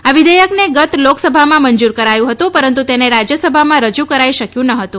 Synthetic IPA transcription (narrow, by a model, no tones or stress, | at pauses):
aʋid̪əjəkneɡət̪loksəbʱamãmənd͡ʒuɾkəɾajũɦət̪ũpəɾənt̪ut̪eneɾad͡ʒjəsəbʱamãɾəd͡ʒukəɾaiʃəkjũnəɦət̪ũ